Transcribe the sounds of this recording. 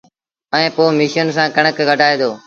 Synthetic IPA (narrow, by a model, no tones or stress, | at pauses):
əẽːpoːmiːʃəns̬ãːkəɳəkɡəɖʱaːeːd̪oː